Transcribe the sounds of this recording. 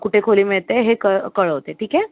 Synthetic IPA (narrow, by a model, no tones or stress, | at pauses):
kuʈʰekʰoliːmiɭt̪eɦekəkəɭəɦt̪eʈʰiːke